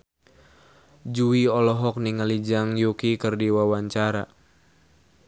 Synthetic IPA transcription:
d͡ʒuiɔlɔɦɔk̚niŋalid͡ʒaŋjukikərdiwawaɲt͡ʃaɾa

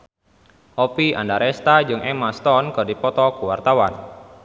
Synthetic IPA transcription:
ʔɔpia̰ndaɾɛst̪ad͡ʒɨŋʔɛmast̪ɔnkərdipɔt̪ɔkuwart̪awan

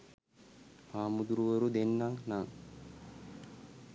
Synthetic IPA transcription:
maːmud̪uɾuʋəɾud̪enːaŋnaŋ

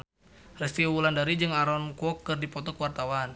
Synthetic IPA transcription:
rɛst̪iwulandaɾid͡ʒɨŋaɾɔnkɔkːɨrdipɔt̪ɔkəwart̪awan

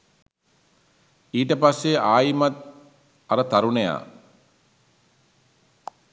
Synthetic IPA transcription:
iːʈəpasːeaːjimat̪̚ | aɾət̪aɾuneja̰ː

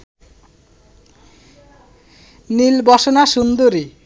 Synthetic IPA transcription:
nilbɔʃonaʃund̪oɾi

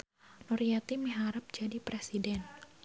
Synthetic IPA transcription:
nuɾiat̪imiɦaɾap̚d͡ʒadipɾesidɛn

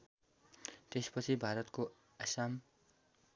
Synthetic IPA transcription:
t̪espʌt͡sʰibʱaɾʌt̪ko | asam

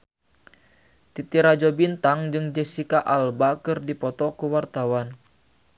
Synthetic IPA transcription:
t̪it̪iɾad͡ʒɔbint̪aŋd͡ʒɨŋd͡ʒɛsikaʔalbakɨrdipɔt̪ɔkuwart̪awan

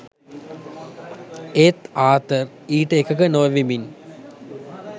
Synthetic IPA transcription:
et̪aːt̪ər | iːʈəekɐkənoːʋimin

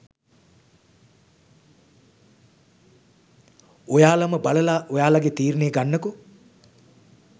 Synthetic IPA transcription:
ojaːlaməbaləlaʔojaːlaɡet̪iːrneːɡanːəku

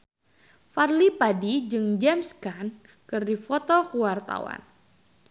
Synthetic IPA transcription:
farlipadid͡ʒɨŋd͡ʒɛmskan | kɨrdifɔt̪ɔkuwart̪a̰wa̰n

